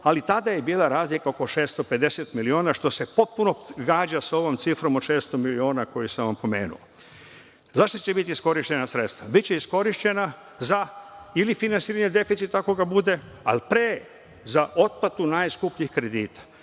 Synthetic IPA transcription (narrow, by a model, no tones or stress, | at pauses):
alit̪ad̪ajebiːlaɾaːzlikaokoʃeːst̪ope̞d̪e̞set̪milioːnaʃt̪o̞se̞po̞t̪̚puno̞ɡaːd͡ʑaso̞ʋomt̪sifɾo̞mot̪ʃe̞ːst̪omilio̞ːnako̞jisamʋampo̞me̞̰ːnṵo | zaʃt̪ot͡ɕe̞bit̪isko̞ɾiʃt͡ɕe̞nasɾet̪st̪ʋabit̪t͡ɕeisko̞ɾiʃt͡ɕe̞na | zailifinansiːɾaɲed̪e̞fit̪sit̪ako̞ɡabud̪e̞a̰lpɾeː | zaʔo̞t̪̚pat̪unaːjskupɲihkɾe̞d̪iːt̪ḁ